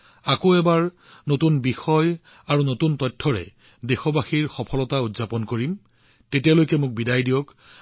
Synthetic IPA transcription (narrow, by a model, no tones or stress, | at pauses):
akoɛbaɹ | notunbixɔj | aɹunotuntɔtʰːɔɹɛ̰ | dexɔbaxiɹxɔpʰɔlɔtaudzapɔnkoɹim | tetijalojkɛmʊk̚bidajdijɔk